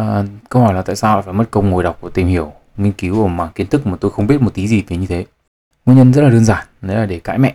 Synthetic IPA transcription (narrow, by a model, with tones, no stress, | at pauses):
kə˧whɔ˧˩jlaː˨˩t̪a̰ː˧˨saː˧wlaː˧˥jfaː˧˩jmə˦˥t̚kə˧wŋ͡mŋo˨˩jɗa˨˩wk͡p̚u˧˩ət̪i˨˩mhi˧˩əw | ŋi˧ŋ̟ki˨˦wʔəː˧˩maː˨˩ŋki˨˦ənt̪ʰɨ˦˥k̚maː˨˩t̪o˧jxə˧ŋ͡mɓi˦˥ət̚mo˨˩t̪i˨˦zi˨˩vi˨˦ɲɨ˧t̪ʰe˨˦ | ŋi˧ɲə˧nzə˦˥t̚laː˨˩ɨ˧ənzaː˧˩nnə˨˦laː˨˩ɗe˧˩ka̰ː˧˥˦jmɛ̰˧˨ʔ